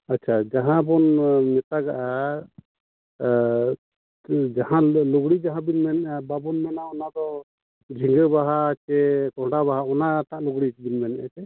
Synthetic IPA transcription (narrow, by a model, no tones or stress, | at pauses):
atːt͡ʃʰad͡ʒaɦãbɔnnɛt̪aɡaʔa | d͡ʒahãluɡɽid͡ʒaɦãbinmɛnɛʔababɔnmanaɔnad̪ɔ | d͡ʒʱĩŋɡəbaɦat͡ʃɛkɔɦɖabaɦaɔnat̪aʔluɡɽit͡ʃibinmanɛʔat͡ʃɛ